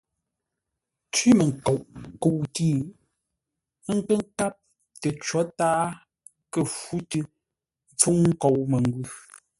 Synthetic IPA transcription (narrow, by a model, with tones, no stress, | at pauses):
t͡ʃi˦mə˨ŋ˨ko˨wʔko˨wtiː˦˨˦ | ŋ̩˨kə˦ŋ̩˦ka˦p̚ | te˨t͡ʃwɔ˨˦taː˦ | kə˨fu˦tɨ˦ | p͡fu˦ŋŋ̩˦ko˨wme˨ŋ˦ɡwʉ˦